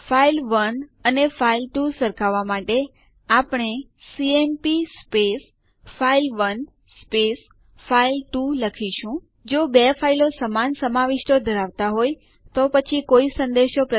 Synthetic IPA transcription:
fʰailʋənənefailʈusəɾkʰaʋːamaʈe | apɳ̃e | siempispes | fʰailʋən | spes | failʈuləkʰiʃũ | d͡ʒobefʰailosəmansəmaʋiʃʈod̪ʱəɾaʋt̪aɦoj | t̪opət͡ʃʰikoisə̃nd̪eʃopɾə

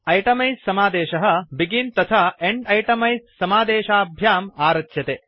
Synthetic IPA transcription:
ɐjʈɐmɐjssɐmaːd̪eːʃɐɦɐ̆biɡint̪ɐt̪ʰaeɳɖɐjʈɐmɐjssɐmaːd̪eːʃaːbʱjaːmaːɾɐtjɐt̪eː

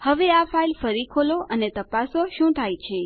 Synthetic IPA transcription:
həʋeafailfəɾikʰoloʔənet̪əpasoʃũt̪ʰajt͡ʃʰe

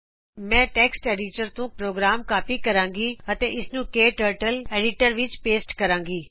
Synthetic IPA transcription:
mɛ̃ːʈɛːksʈeːɖiːʈəɾt̪ũpɾoːɡɾaːmkaːpikɐɾãːŋɡiːɐt̪ẽʔɪsnũːkeːʈəːɾʈəleːɖiʈəɾʋɪt͡ʃpeːsʈkɐɾãːŋɡiː

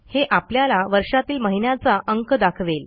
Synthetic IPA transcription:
heʔapljalaʋəɾʂat̪iːlməɦinjat͡saʔəŋkd̪akʰʋel

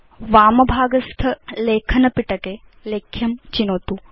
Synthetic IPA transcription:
ʋaːmɐbʱaːɡɐst̪ʰɐleːkʰɐnɐpiʈɐke | leːkʰjɐmt͡ʃinoːt̪u

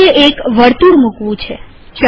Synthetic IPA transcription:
eʔekʋəɾt̪uɾmũkʋũt͡ʃʰe | t͡ʃ

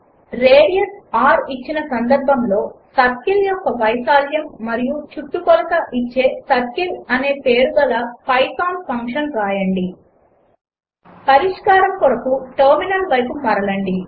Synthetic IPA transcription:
ɾeːɽijɐsaːɾit͡ʃːinɐsɐnd̪ɐɾbʱɐmlo̞ːsɐtkiljɔkːɐʋɐjsaːljɐmːɐɾijut͡ʃut̪ːukɔlɐkɐʔit͡ʃːe̞ːsɐt̚kilɐne̞ːpe̞ːɾuɡɐlɐpɐjsaːnpʰɐŋkʂɐnɾaːjɐɳɖi | pɐɾiʂkaːɾɐmkɔɽɐkuʈɐːɾminɐlʋɐjkumɐɾɐlɐɳɖi

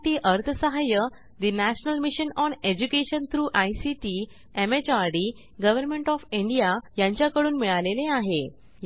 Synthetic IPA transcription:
ʈ̪iːʔəɾt̪ʰəsəɦajə | d̪inæɕnəlmiɕənɔned͡ʑukeɕənt̪ʰɾuːʔajsiʈi | emet͡ɕaɾɽi | ɡəʋəɾmẽɳʈɔfiɳɖijajãɲt͡ɕjakəɽuːnmiɭaleleaɦe | j

